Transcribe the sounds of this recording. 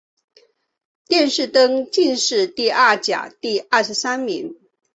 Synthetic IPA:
t̪jɛ˥˧nʂɻ̩˥˩t̪ɤ˥ŋt͡ɕi˥˧nʂɻ̩˥˧t̪i˥˧ʔɐ˥˩t͡ɕja̰˨˩t̪i˥˧ɐ˥˩ʂɻ̩˧˥sa˥nmi˧˥ŋ

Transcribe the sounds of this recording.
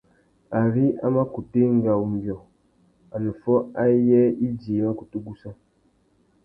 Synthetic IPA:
a˨ɾi˦a̰˦ma˦ku˨te˦ŋ˦ɡa˨u˨m˨bjɔ˨ | a˨nu˨fɔ˦a˦jɛ˦i˦d͡ʒi˨˦ma˦ku˨tu˦ɡu˦sa˦

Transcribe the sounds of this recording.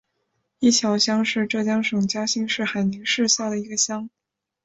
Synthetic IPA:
i˥˩t͡ɕʰjɑ˧˥ʊɕjɑ˥ŋʂɻ̩˥˧ʈ͡ʂɤ˥˩t͡ɕjɑ˥ŋʂɤ˨˩ŋt͡ɕja˥ɕi˥˧ŋʂɻ̩˥˩xa˨˩ɪni˧˥ŋʂɻ̩˥˧ɕja˥˩d̪ə˩i˧˥ɡə˧ɕjɑ˥ŋ

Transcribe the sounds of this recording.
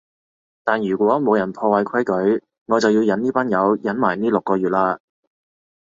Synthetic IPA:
t̪aː˨˩njyː˨˩kʷɔː˨˥mo˨˧wjɐ˨˩npʰɔː˧wɐ˨˧jkʰɐ˥jkɵ˨˥ɥ | ŋɔ˨˧t͡sɐ˨wjiː˧wjɐ˨˥niː˥paː˥njɐ˨˧˥wjɐ˨˥nmaː˨˩jniː˥lʊ˨kːɔː˧jyː˨˩t̚laː˧

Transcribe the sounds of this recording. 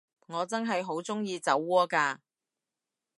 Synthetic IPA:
ŋɔː˨˧t͡sɐ˥nɦɐ˨jɦo˨˥wt͡sʊ˥ŋjiː˧t͡sɐ˨˥wːɔː˥kaː˧

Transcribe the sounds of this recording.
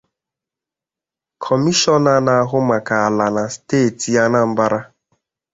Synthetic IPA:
kʰɔ˨mi˦ʃɔ˦na˨na˨a˦ɦʊ˦ma˨ka˨a˨la˨na˨steː˦˨ti˨ja˦na˦m̩˦ba˦ɾa˦

